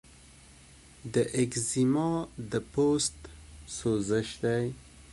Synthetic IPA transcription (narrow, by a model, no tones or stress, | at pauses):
d̪əʔɪkzimɑd̪əpost̪sozɪʃd̪aj